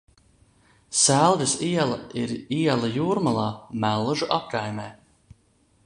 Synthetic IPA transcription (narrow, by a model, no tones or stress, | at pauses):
sælˠd̪isiɛlˠaiɾiɛlˠajuːɾmalˠaːmælˠʒuʔap̚kajmɛː